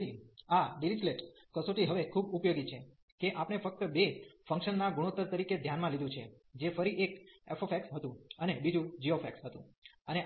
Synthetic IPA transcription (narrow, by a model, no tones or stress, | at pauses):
iaɖilit͡ʃleʈ | kəsoʈiɦəʋekʰubupjoɡit͡ʃʰe | keʔapɽ̃efək̚t̪əbefə̃ŋkʃənːaɡuɽ̃ut̪ːəɾt̪əɾiked̪ʱjanmãlid̪ũt͡ʃʰe | d͡ʒefəɾiʔekefofʰɛksɦət̪ũənebid͡ʒũd͡ʒiofʰɛksɦət̪ũəne